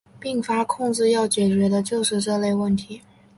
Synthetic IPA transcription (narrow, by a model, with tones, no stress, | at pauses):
pi˥˩ŋfa˥kʰʊ˥˧ŋt͡sɹ̩˥˧jɑ˥˩ʊt͡ɕjɛ˨˩t͡ɕɥɛ˧˥d̪ə˧t͡ɕjo˥˧ʊʂɻ̩˥˧ʈ͡ʂɤ˥˧le˥˧ɪwə˥˩nt̪ʰi˧˥